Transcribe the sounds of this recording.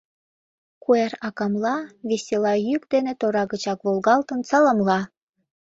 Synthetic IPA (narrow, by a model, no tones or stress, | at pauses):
kuerɑkɑmlɑβesʲelɑjykd̪enet̪oɾɑɣət͡ɕɑkβolɣɑlt̪ə̆nt͡sɑlɑmlɑ